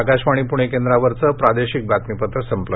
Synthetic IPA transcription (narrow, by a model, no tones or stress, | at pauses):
akaɕʋaɽ̃ipuɽ̃ekend̪ɾaʋəɾt͡səpɾad̪eɕik̚bʱat̪mipət̪ɾəsəmplə